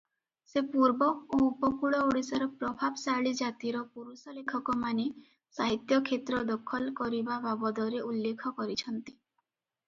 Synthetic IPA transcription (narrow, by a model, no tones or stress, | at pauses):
sepuɾbɔoupɔkuɭɔoɽisɔɾɔpɾɔbʱabsaɭid͡ʒat̪iɾɔpuɾusɔlekʰɔkɔmane | saɦit̪jɔkʰet̪ɾɔd̪ɔkʰɔlkɔɾibababɔd̪ɔɾeulːekʰɔkɔɾit͡ʃʰɔnt̪i̥